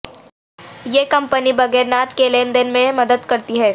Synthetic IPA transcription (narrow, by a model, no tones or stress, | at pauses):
jeːkɐ̃mpənibɐɡɛːɾnaːt̪keleːnd̪ɪnmẽmɐd̪əd̪kɐɾt̪iɦɛː